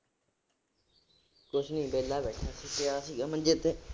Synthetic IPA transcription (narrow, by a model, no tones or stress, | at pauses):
kʊt͡ʃʰnĩːbeːlaːbɛːʈʰaːsʰikɪjaːsiːɡaːmə̃nd͡ʒeːt̪e